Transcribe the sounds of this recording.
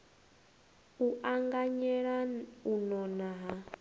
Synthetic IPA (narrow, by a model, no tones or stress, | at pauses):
uʔaŋɡaɲɛɺaunɔnaɦa